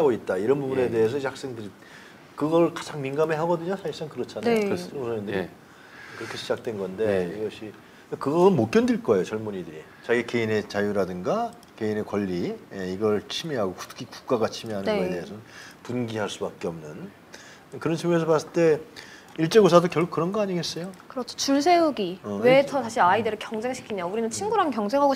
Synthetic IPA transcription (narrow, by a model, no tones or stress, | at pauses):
aɡoit̚t͈aiɾʌnbubune̞de̞es̬ʰʌiak̚s͈aŋkd͡ʑ | kɯɡʌɾɭkḁd͡ʑaŋminɡameɦaɡʌdɯɲasʰaiɭs͈aŋkɯɾʌt͡ɕʰanajooŋsʰʌɲʌndɯɾi | kɯɾʌkʰe̞ɕʰid͡ʑak̚t͈we̞nɡʌnde̞iɡʌɕʰi | ekɯɡʌɯnmok͈jʌndiɭk͈ʌejot͡ɕʌɭmuɲidɯɾi | t͡ɕaɡike̞ine̞t͡ɕajuɾadɯŋɡa | ke̞ine̞kwʌʎːijeiɡʌɭt͡ɕʰimiɦaɡoku̥tkʰiku̥k͈aɡat͡ɕʰimiɦanɯnɡʌet̪e̞ɦesʰʌnnpunɡiɦaɭs͈ubak͈̚eʌmnɯn | kɯɾʌnt͡ɕʰimues̬ʰʌpas͈ɯɭt͈e̞ | iɭt͡ɕ͈eɡos̬ʰadokjʌɭkukɯɾʌnɡʌaɲiɡe̞s͈ʌjokɯɾʌt͡ɕʰo̥t͡ɕuɭs̬ʰe̞juɡiwetʰʌtaɕʰiɾaideɾɯɭkjʌŋd͡ʑe̞ŋɕʰi̥kʰiɲauɾinɯnt͡ɕʰinɡuɾankjʌŋd͡ʑe̞ŋɦaɡo